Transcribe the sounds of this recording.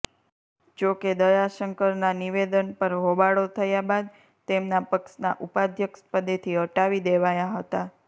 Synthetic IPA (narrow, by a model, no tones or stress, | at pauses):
d͡ʒoked̪əjaʃəŋkəɾnaniʋed̪ənpəɾɦobaɽot̪ʰəjabad̪ | t̪emnapəksna̰ʔupad̪ʱjəkspəd̪et̪ʰiɦəʈaʋid̪eʋajaɦət̪a